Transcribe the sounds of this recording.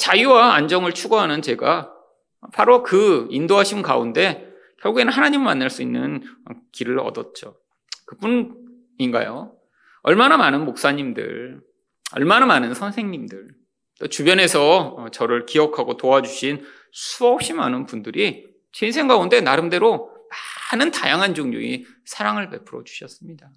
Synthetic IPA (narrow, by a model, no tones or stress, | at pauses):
t͡ɕajuwaand͡ʑʌŋɯɭt͡ɕʰuɡoɦanɯnt͡ɕe̞ɡa | pʰaɾokɯindoɦaɕʰinka̰unde̞ | kjʌɭɡuɡe̞nɯnɦanaɲimɯɭmanːaɭs͈uinːɯ̰nʌkiɾɯɭʌ̰dʌt̚t͡ɕ͈o | kɯpun | inɡa̰jo | ʌɭmanamanɯnmok̚s͈aɲimdɯ̰ɭ | ʌ̰ɭmanamanɯnsʰʌnsʰe̞ŋɲimdɯɭ | t͈ot͡ɕubjʌne̞sʰʌt͡ɕʌɾɯɭkiʌkʰaɡotoad͡ʑuɕʰin | sʰuʌp̚ɕ͈imanɯnpundɯɾi | t͡ɕens̬ʰeŋɡaunde̞naɾɯmde̞ɾomanɯntajaŋɦand͡ʑoŋɲṵi | sʰaɾaŋɯɭpe̞pʰɯɾʌ̰d͡ʑu̥ɕʰʌs͈ɯmɲida